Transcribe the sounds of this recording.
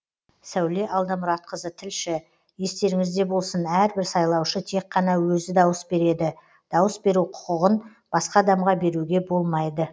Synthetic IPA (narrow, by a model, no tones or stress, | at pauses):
sæwle̞ʔɑlˠd̪ɑmʊɾɑt̪̚qəzət̪ʰɪlʃɪ | je̞st̪e̞ɾɪŋɪzd̪e̞bo̞lˠsənæɾbɪɾsɑjlˠɑwʃət̪ʰe̞k̚qːɑnɑwɵzɪd̪ɑwəsbe̞ɾe̞d̪ɪ | d̪̥ɑwəsbe̞ɾuqʰʊ̥qəʁən | b̥ɑsqɑd̪ɑmʁɑbe̞ɾuɡʲe̞bo̞lˠmɑjd̪ə